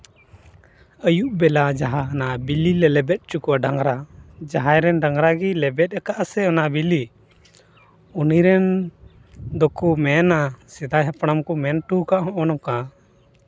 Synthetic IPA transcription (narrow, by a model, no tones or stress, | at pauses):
əjuʔbɛlad͡ʒaɦanabililɛlɛbɛt̪̚ˀt͡ʃukuaɖaŋɾad͡ʒaɦajɾɛnɖaŋɾaɡilɛbɛt̪̚ˀɛkaʔasɛɔnaʔbili | uniɾɛn | d̪ɔkumɛnasɛd̪ajɦɛpɽ̃amkɔmɛnʈukaʔɦɔ̃ʔɔnɔka